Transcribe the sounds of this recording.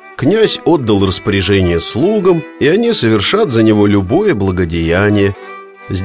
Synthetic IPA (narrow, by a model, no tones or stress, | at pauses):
knʲæzʲo̞d̪ːəlˠrəspəɾʲɪʐɛnʲɪjəslˠuɡəmiɐnʲisəvʲɪrʂat̪zənʲɪvo̞lʲʊbo̞jəblˠəɡədʲɪjænʲɪjə | zʲ